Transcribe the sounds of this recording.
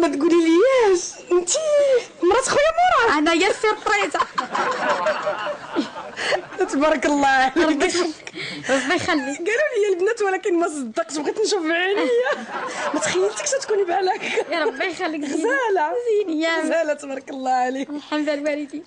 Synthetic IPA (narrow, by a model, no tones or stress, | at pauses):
mæt̪ɡuliljæʃʔənt̪i | mɾˤɑt̪xujːæmɑɾˤɑnæjæsəɾˤpɾɑza | æt̪æbɑɾˤɑkəlˤːɑʕaliɾkɾˤɑbːijxælːiɡæluləjːælbnæt̪wlækənmæs̬ˤd̪ːɑqʃbɣit̪nʃufʕinəjːæmæt̪xæjːəlt̪ə̥ksæt̪kunibælækːɾˤɑbːijxælːikɣzælʕazinjæzælæt̪bɑɾˤɑkəlˤːɑʕaliħamd̪ælwælid̪i